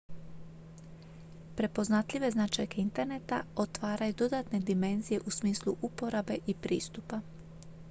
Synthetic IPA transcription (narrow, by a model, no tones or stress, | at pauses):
pɾe̞po̞znat̪ʎʲiʋe̞znaːt͡ʃajkeint̪e̞ɾne̞t̪aot̪ʋaːɾajud̪o̞d̪at̪ne̞d̪ime̞nzije̞ʔusmiːslˠuʔupo̞ɾabe̞ʔipɾḭːst̪upa